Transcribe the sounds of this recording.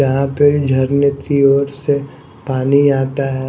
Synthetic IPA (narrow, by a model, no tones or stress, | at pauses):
ɐɦãped͡ʒʱɐɾnət̪ɾioːɾse | paːniaːt̪aɦɛ